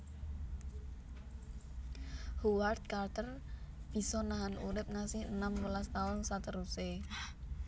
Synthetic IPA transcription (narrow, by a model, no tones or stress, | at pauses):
huwart̪̚kart̪ərb̥i̤sɔnaɦanuɾɪp̚ŋasɪhənamwəlast̪aʊnsat̪əɾuse